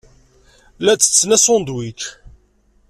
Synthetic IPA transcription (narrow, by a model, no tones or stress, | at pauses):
læt͡sːə̥t͡sːnæsond̪wit͡ʃ